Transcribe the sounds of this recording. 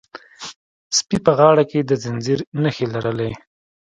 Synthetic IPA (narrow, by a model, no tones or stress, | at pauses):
spipəɣɑɽaked̪əzɪnziɾnəxelaɾəlaj